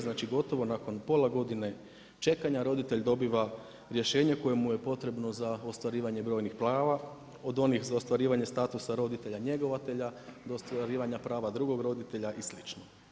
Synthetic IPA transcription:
znaːt͡ʃiɡo̞t̪o̞ʋo̞nako̞npo̞lˠaɡo̞d̪ine̞ | t͡ʃe̞kaɲaɾo̞d̪it̪e̞ʎd̪o̞biʋa | ɾje̞ʃe̞ːɲe̞ko̞jemuje̞po̞t̪ɾe̞bno̞zaost̪ʋaɾiːʋaɲe̞bɾo̞ːjnixplˠaːʋa | o̞d̪o̞nixzaost̪ʋaɾiːʋaɲe̞st̪aːt̪usaɾo̞d̪it̪e̞ʎaɲe̞ɡo̞ʋat̪eʎad̪ost̪ʋaɾiːʋaɲapɾaːʋad̪ɾuɡo̞ɡɾo̞d̪it̪e̞ʎaʔislit͡ʃno

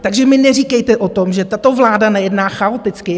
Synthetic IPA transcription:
t̪aɡʒɛmɪnɛriːkɛjt̪ɛʔot̪o̞mʒɛt̪at̪o̞vlaːdanajɛdnaːxaot̪ɪt͡skɪ

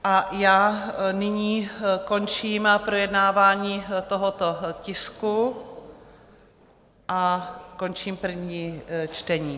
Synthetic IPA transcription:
ʔajaːnɪɲiːko̞nt͡ʃiːmpɾojɛdnaːvaːɲiːt̪oɦot̪ocɪsku | ʔako̞nt͡ʃiːmpr̩vɲiːt͡ʃt̪ɛɲiː

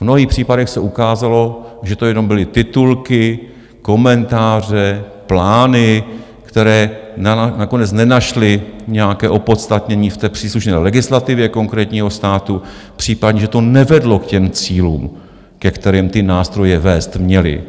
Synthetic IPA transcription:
vmno̞ɦiːxpr̝̥iːpadɛxsɛʔukaːzalo̞ʒɛt̪o̞jɛno̞mbɪlɪt̪ɪt̪ulkɪ | ko̞mɛnt̪aːr̝ɛ | plaːnɪ | kt̪ɛɾɛː | nako̞nɛt͡snɛnaʃlɪɲɛjakɛːʔo̞po̞t̪st̪at̪ɲɛɲiːft̪ɛːpr̥iːsluʃnɛːlɛɡɪslat̪ɪvjɛko̞ŋkɾɛːt̪ɲiːɦo̞st̪aːt̪u | pr̝̥iːpadɲɛʒɛt̪o̞nɛvɛdlokcɛmt͡siːlṵːm | kɛkt̪ɛɾiːmt̪ɪnaːst̪ɾo̞jɛvɛːst̪mɲɛlɪ̰

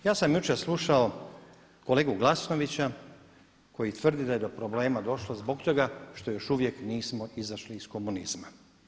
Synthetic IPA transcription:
jaːsamjut͡ʃeslˠuʃao̞ | kole̞ːɡuɡlˠasno̞ʋit͡ɕa | ko̞jit̪ʋr̩d̪id̪aje̞d̪o̞pɾo̞ble̞ːmad̪o̞ʃlozbo̞kt̪o̞ɡaʃt̪o̞jo̞ʃuʋje̞kniːsmo̞ʔizaʃliːsko̞muniz̥ma

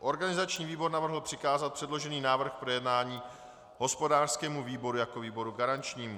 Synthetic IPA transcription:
ʔo̞ɾɡanɪzat͡ʃɲiːviːbo̞ɾnavr̩ɦl̩pr̥ɪkaːzat̪̚pr̥ɛdlo̞ʒɛniːnaːvr̩xpɾojɛdnaːɲiː | ɦo̞spo̞daːr̥skɛːmuviːbo̞ɾujako̞viːbo̞ɾuɡaɾant͡ʃɲiːmu

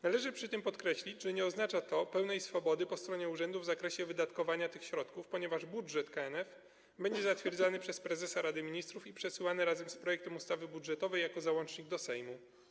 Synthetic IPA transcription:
nalɛʐɘpʂɘt̪ɘmpɔt̪kɾɛɕlʲid͡ʑʐɛɲɛɔznat͡ʂat̪ɔpɛwnɛjsfɔbɔd̪ɘpɔst̪ɾɔɲɛuʐɛnd̪uvzakɾɛɕɛvɘd̪at̪kɔvaɲat̪ɘxɕɾɔt̪kufpɔɲɛvaʐbudʐɛt̪kaɛnɛf | bɛɲd͡ʑɛzat̪fʲjɛɾd̪zanɘpʂɛspɾɛzɛsaɾad̪ɘmʲiɲist̪ɾufipʂɛsɘwanɘɾazɛmspɾɔjɛk̚t̪ɛmust̪avɘbudʐɛt̪ɔvɛjːakɔzawɔnt͡ʂɲiɡ̚d̪ɔsɛjmu

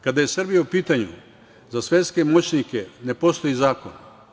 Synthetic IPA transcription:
kad̪aje̞srbijaupiːt̪aɲṵ | zasʋe̞t̪ske̞mot͡ɕnike̞ne̞po̞st̪o̞jizaːko̰n

